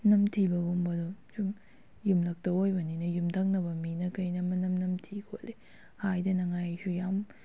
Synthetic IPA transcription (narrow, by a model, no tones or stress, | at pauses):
nɐmtʰibɐɡumbɐdusum | jumlɐk̚tɐojbɐninɐjumtʰak̚nɐbɐminɐkɐjnɐmɐnɐmnɐmtʰikʰolːe | hajdɐnɐŋajsujam